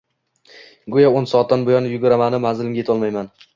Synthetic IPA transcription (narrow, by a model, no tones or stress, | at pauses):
ɡʊjaonsɒːt̪̚d̪anbojɒnjʊɡʊɾamanɪmazɪlɪŋɡʲjet̪ʰɒlˠmajman